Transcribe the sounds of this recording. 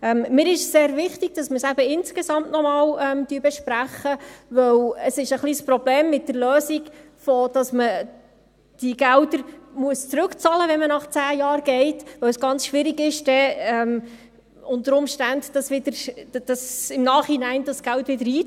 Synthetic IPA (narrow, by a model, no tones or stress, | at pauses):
ɛmːɪːɾɪʃsseːɾvɪχtɪɡ̥d̥ɑsməsæbəɪnskesɑmtnɔmɑːwɛmd̥yːbɛʃpɾæχːəvɵwəsɪʃəχliːspɾɔbleːmːɪt̚dəɾløːsiɡ | fɔd̥ɑsmə | d̥iɡ̥æwdəɾmuəst͡sɾɵkt͡sɑləʋɛnmənɑχt͡sæːjɑːɾɡ̥ɛɪtʋœwsɡɑnt͡sʃʋɪɾiɡɪʃd̥ɛɛm | ʊntəɾʊmʃtændd̥ɑsʋɪd̥̪əɾd̥ɑsɪmnɑːχhinæɪndɑsɡ̥æwtʋɪdəɾiː